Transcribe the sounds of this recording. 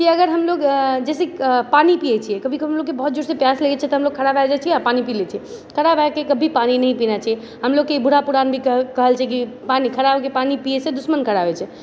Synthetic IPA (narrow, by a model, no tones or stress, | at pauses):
kiəɡəɾɦəmloɡd͡ʒɛsepanipiɛt͡ʃʰijɛkəbʱikeɦəmloɡkebəɦut̪̚d͡ʒuɽsepjasləɡɛt͡ʃʰɛt̪ɔɦəmloɡ̚kʰəɽabaed͡ʒat͡ʃʰiɛapanipilet͡ʃʰiɛ | kʰəɽabʱaekekəbʱipaninəɦĩpinat͡ʃʰaɛ | ɦəmloɡ̚kːeibʱuɽ̤apuɾanbʱikkəɦəlt͡ʃʰɛk̬i | panikʰəɽabkepanipijɛsed̪usmənkʰəɽaɦɛt͡ʃʰɛ